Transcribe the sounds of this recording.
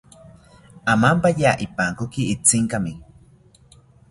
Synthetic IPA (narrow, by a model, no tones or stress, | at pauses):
amampajaʔipaŋkokiit͡siŋkami